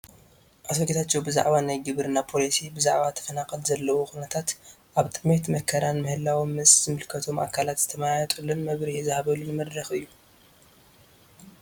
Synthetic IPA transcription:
ʔasoɡet̪ʰat͡ʃːewbɨza̰ʕβanajɡɨβɨɾɨnapʰo̞lisibɨzaʕβat̪ʰɐ̥fɐnakʼɐlzɐlːɐwoxunɐt̪ʰat̪ | ʔaβt̪ʼɨme̞t̪mɐkʰːɐɾanmɨhɨlːawimːɨszɨmɨlkʰɐt̪ʰo̞mʔa̰kʰalat̪z̥ɨt̪ʰɐmajajɐt̪ʼɨlːunmɐβɾihzɨhaβɐlunɨmɐd̪ɾɐxɨjːu

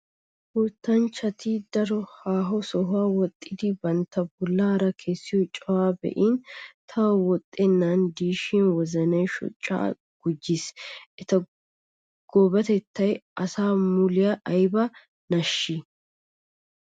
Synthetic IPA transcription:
huːt̪ːɐnt͡ʃːɐt̪id̪ɐɾɔhaːɦɔsɔɦʊaːwɔt̪ʼːɪd̪ɪbɐnt̪ːɐbʊlːaːɾɐkʰe̞ːsːɪjɔt͡ʃʼɔwaːbɛ̰ʔint̪ʰɐwwɔt̪ʼːɛnːand̪iːʃinwɔzɐnɐjʃɔ̰t͡ʃʼːa̰ː | ɡ̥ʊd͡ʒːɪsɛt̪ɐ | ɡ̥oːbɐt̪ɛt̪ːɐjʔɐsaːmulɪjɐʔɐjbɐ | nɐʃːɪ

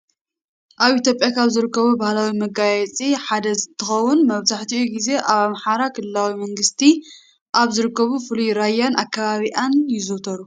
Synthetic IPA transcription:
ʔaβit̪jo̞pʼjakʰaβzɨɾɨkːɐβubahlawimɐɡajɛt͡sʼiħad̪ɐzɨt̪ʰːɨxɐwːʊnmɐβzaħt̪iʔuɡize̞ʔaβamħaɾakʰɨlɨlawimɐŋɡɨst̪ʰi | ʔaβzɨɾɨkːɐβufɨlujɾajːanakʰːaβaβiʔanjɪzɨwt̪ʰɐɾu

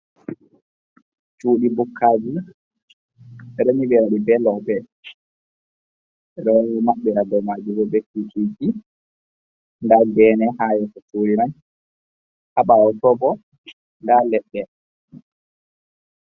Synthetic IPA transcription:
t͡ʃuːɗibukʰːad͡ʒi | ɾemiɓɛɾaɗibɛlɔbɛ | ɾɛmaɓːɛɾadɔmad͡ʒubɔbɛkikiki | ŋɡaɡɛːnɛhaːjɛkɔt͡ʃoːliɾan | ʔaɓaɔtɔbɔ | ŋɡalɛɗːɛ

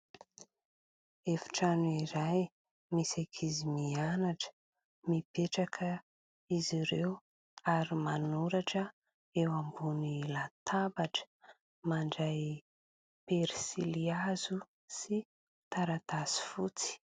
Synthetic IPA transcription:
efi̥ʈ͡ʂanuiɾaj | misakʰizimianaʈ͡ʂə̥ | mipeʈ͡ʂakʰə | iziɾew | aɾimanuɾaʈ͡ʂə | ewambunilat̪ʰabaʈ͡ʂə̥ | maɳɖ͡ʐaj | peɾisiliazu | si | t̪aɾat̪asi̥fut͡si̥

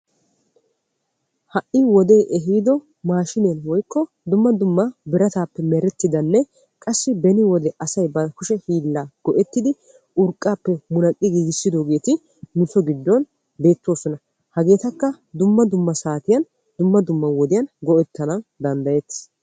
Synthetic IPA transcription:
hɐʔiwɔd̪e̞ːʔɛɦiːd̪ɔ | maːʃɪneːnwɔjkːɔ | d̪ʊmːɐd̪ʊmːɐbɪɾɐt̪aːpːɛmɛɾɛt̪ːɪd̪ɐnːɛ | kʼɐsːɪbɛnɪwɔd̪ɛʔɐsɐjbɐkʊʃɛhiːlːaːɡ̥ɔʔɛt̪ːɪd̪ɪ | ʔʊɾkʼːaːpːɛmʊnɐkʼːɪɡiːɡɪsːɪd̪oːɡe̞ːt̪ɪ | mɪfɔɡɪd̪ːɔn | be̞ːt̪ːwoːsɔnɐ | hɐɡe̞ːt̪ɐkːɐ | d̪ʊmːɐd̪ʊmːɐsaːt̪ɪjɐn | d̪ʊmːɐd̪ʊmːɐwɔd̪ɪjɐnɡɔʔɛt̪ːɐnɐnd̪ɐnd̪ɐjet̪

